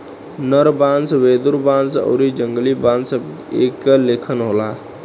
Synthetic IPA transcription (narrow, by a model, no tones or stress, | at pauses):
nəɾbansʋed̪uɾbansə̰ʊɾid͡ʒəŋɡlibãnsəb | ḛkːəlekʰənɦola